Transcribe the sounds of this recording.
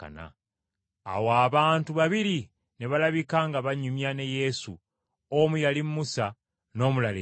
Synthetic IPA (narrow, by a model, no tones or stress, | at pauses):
ka̰na̰ː | waːβaːntuβaβiɾi | ne̞βalaβikaːŋɡaβaɲumjane̞je̞su | omujalimmusa | no̞ːmulale